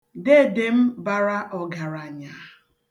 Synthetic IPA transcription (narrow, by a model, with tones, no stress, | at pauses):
de˦˨de˨m̩˦ba˨ɾa˦ʔɔ˨ɡa˨ɾa˨ɲa˨˦